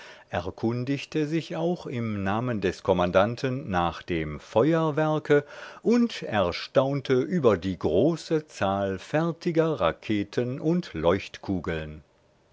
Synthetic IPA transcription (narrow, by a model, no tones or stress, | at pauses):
ʔɛɐkʰʊndɪçtʰəzɪçaʊxɪmnaːməndɛskʰɔmandantʰənːaːχd̥eːmfɔʏɐvɛɐkʰəʔʊntʔɛɐʃtaʊntʰəʔyːbɐdiːɡʁoːsət͡saːlfɛɐtʰɪɡɐʁakʰeːtʰənʔʊntlɔʏçtkʰuːɡl̩n